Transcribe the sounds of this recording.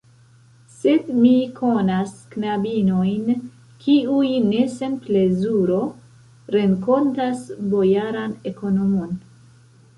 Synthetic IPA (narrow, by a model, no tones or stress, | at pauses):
se̞dmikʰo̞nasknabino̞jn | kʰiujne̞se̞nple̞zuɾo̞ | ɾeŋko̞ntasbo̞jaɾane̞ko̞nomo̞n